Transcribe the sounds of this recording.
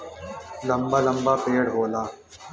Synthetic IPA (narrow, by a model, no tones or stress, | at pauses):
ləmbaːləmbaːpeːɽɦoːlaː